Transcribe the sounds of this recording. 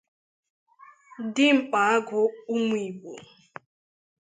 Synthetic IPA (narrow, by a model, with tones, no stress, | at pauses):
dɪ˦ŋ͡m̩˨k͡pa˨a˦ɡʊ˨u˦mi˨bo̰˨